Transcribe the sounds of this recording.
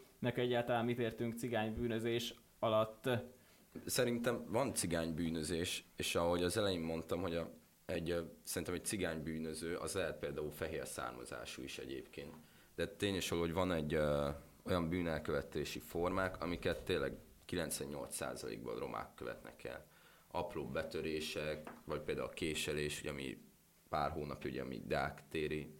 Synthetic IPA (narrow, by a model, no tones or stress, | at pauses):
nɛkɛɟːaːlt̪ɒlaːnmit̪eːrt̪yŋkt̪siɡaːɲbyːnøzeːʃ | ɒlɒt̪ː | sɛɾint̪ɛɱvɒnt̪siɡaːɲbyːnøzeːʃeːʃɒɦo̞ɟɒzɛlɛjimːo̞nt̪ɒmɦo̞ɟ | ɛɟsɛɾint̪ɛmɛc̚t̪siɡaːɲbyːnøzøːʔɒ̰zlɛɦɛt̪̚peːld̪aːulfɛɦeːrsa̰ːrmɒ̰za̰ːʃṵiʃɛ̰ɟḛːpkeːnt̪ | d̪ɛt̪eːɲeːʃoloːoɟvɒnɛɟː | o̞jɒmbyːnɛlkøvɛt̪eːʃifo̞rmaːkʰɒmikɛt̪ːeːlːɛ̰ɡ | kilɛnt̪sʋɛɲːo̞lt̪sa̰ːzɒlḛːɡ̚bɒ̰ro̞̰mʔa̰ːkːøvɛ̰t̪nɛ̰kʰɛ̰l | ɒproːbːɛt̪øɾeːʃɛkvɒc̚peːld̪aːulkeːʃɛleːʃoɟɒmḭ | paːrɦoːnɒpjiṵɟɒ̰mḭd̪ːkt̪eːɾi